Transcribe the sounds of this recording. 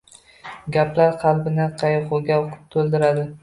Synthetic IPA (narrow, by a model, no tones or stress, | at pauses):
ɡʲapʰlaɾqʰɑlˠbɪnɪqʰɑjqoɡʲaqʊ̥t̪ʰolˠd̪ɪɾad̪ɪ